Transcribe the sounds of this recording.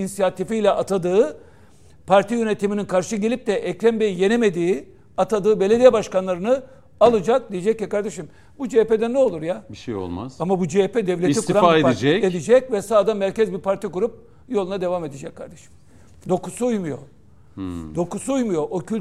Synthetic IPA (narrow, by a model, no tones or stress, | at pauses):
inisijat̪ifijlʲɛʔat̪ʰad̪ɯːɯ | pʰaɾt̪ʰijø̞ne̞t̪ʰimininkʰaɾʃɯɟe̞lʲip̚t̪ɛʔɛclʲæmbejije̞neme̞d̪iː | at̪ʰad̪ɯːbe̞lʲe̞d̪ijɛbaʃkanlˠaɾɯnɯ | alˠɯd͡ʒak̚d̪ijed͡ʒɛcjɛkaɾd̪e̞ʃim | bud͡ʒeped̪ɛnːɛo̞lˠuɾjabiʃejo̰lˠma̰z̥amabud͡ʒepɛd̪evlʲeitkɾaaeid͡ʒɛed̪id͡ʒɛc̚vɛsaːd̪anmæɾcɛzbiɾpʰaɾt̪ʰikuɾup̚ | jo̞lˠunad̪e̞vamed̪id͡ʒɛckʰːaɾd̪eʃi̥m | d̪o̞kusuujmujo̞̰ | d̪o̞kusuujmujo̞ocʰylʲ